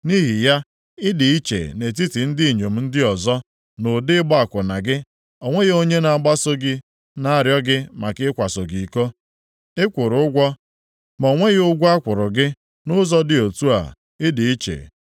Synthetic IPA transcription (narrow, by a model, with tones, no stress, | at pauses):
ni˦ɦi˨ja˦ | ɪ˦dɪ˨i˦t͡ʃḛ˨ne˨t̬i˦ti˨n̩˦dɪ˦i˨ɲo˨m̩˨˦n̩˦dɪ˦ɔ˨zɔ˦ | nʊ˨dɪ˦ɡ͡bɔ˦a˨kʷʊ˨na˨ɡɪ˦ | o˨ŋʷe˦ɣe˦o˦ɲe˦na˨a˨ɡ͡ba˦so˦ɡɪ˦ | na˦a˨ɾjɔ˦ɡɪ˦ma˨kɪ˦kʷa˨so˨ɡi˨ko˦ | ɪ˦kʷʊ˨ɾʊ˨ʊ˦ɡʷɔ˦ | m˨o˨ŋʷe˦ɣʊ˦ɡʷu˦a˦kʷʊ˨ɾʊ˨ɡɪ˦ | nʊ˦zɔ˦dɪ˨o˨tu˦a̰˨ | ɪ˦dɪ˨i˦t͡ʃḛ˨